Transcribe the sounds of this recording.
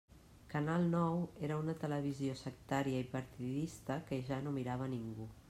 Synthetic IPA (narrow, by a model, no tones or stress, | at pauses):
kənalˠnɔweɾəunət̪ələβ̞iziosək̚t̪aɾiəipəɾt̪iðist̪əkəʒanomiɾaβ̞əniŋɡu